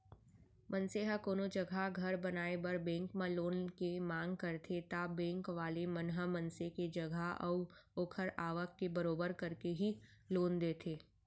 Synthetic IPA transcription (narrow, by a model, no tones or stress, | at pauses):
mɐ̃nseɦəkoːnod͡ʒəɡʱaɡʱɐɾbɐnaːebɐɾbɛ̃ːŋkmãloːnkemãːŋɡ̚kɐɾt̪ʰet̪abɛ̃ːŋkʋaːlemənɦəmɐ̃nseked͡ʒɐɡʱaɔːoːkʰəɾaːʋəkːebɐɾoːbəɾkɐɾkeɦiloːnd̪eːt̪ʰeː